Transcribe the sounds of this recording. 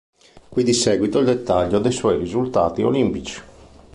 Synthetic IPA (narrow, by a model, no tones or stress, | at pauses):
kwid̪isɛːɡwit̪oild̪ɛt̪ːaʎːod̪ɛjswɔjɾizult̪a̰ːt̪io̰limpit͡ʃi̥